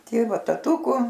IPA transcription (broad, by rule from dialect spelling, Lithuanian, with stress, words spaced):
ˈtʲeːʋɐ tɐˈtuːkʊ